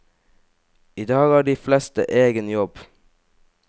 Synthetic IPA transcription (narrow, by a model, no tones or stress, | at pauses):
iːd̪ɑːɡæːɖiːflɛst̪ə̰ʔeːɡənjɔb